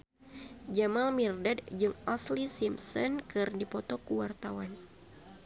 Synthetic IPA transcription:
d͡ʒamalmirdadd͡ʒɨŋaslisimsɔnkɨrdipɔt̪ɔkuwart̪awan

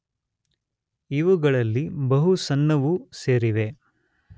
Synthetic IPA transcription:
iʋuɡɐɭɐlːibɐɦusɐnːɐʋuseːɾiʋe̞

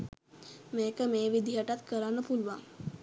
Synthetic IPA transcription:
meːkəmeːʋid̪iɦaʈat̪kəɾanːəpuluʋa

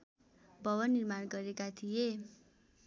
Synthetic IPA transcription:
bʱʌwʌnːirmanɡʌɾekat̪ʰije

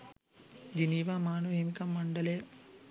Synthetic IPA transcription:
d͡ʒiniːʋaːmaːnoeːmikɐmːɐɳɖɐleː

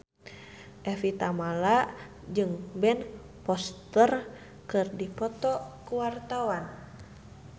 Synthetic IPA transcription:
ʔɛfit̪amala | d͡ʒɨŋbɛn | pɔst̪ər | kɨrdipɔt̪ɔkuwart̪awan

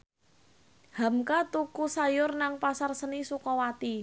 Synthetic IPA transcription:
ha̤mkat̪ukusajʊrnaŋpasarsənisukɔwat̪i

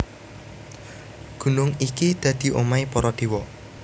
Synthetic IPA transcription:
ɡ̥ṳnʊŋikid̪̥ä̤d̪̥i̤ʔomaipɔɾɔd̪̥e̤wɔ

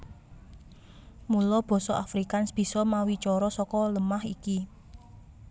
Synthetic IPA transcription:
mulɔb̥ɔ̤sɔʔafɾikansb̥i̤sɔmawit͡ʃɔɾɔsɔkɔləmahiki

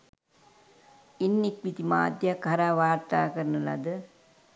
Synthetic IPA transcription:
inːikmit̪ima̰ːd̪jakɦɐɾaːʋaːɾt̪aːkəɾənəla̰d̪ə

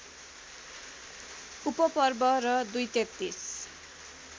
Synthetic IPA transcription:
upʌpʌrbʌrʌd̪ujt̪ek̚t̪ːis

